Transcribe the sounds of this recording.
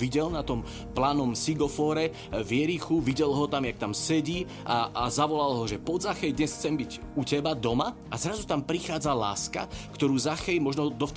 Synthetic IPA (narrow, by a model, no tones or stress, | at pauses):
ʋiɟɛlnat̪ɔm | plaːnɔmsiɡɔfɔːɾɛ | vjɛɾixuʋiɟɛlɦɔt̪amjak̚t̪amsɛɟiː | aazaʋɔlalɦɔʒɛpɔzaxɛjd̪ɲɛsxt͡sɛmbiɟ | ucɛbad̪ɔma | azɾazut̪ampɾixaːd͡zala̰ːska̰kt̪ɔɾuːzaxɛjmɔʒnɔd̪ɔf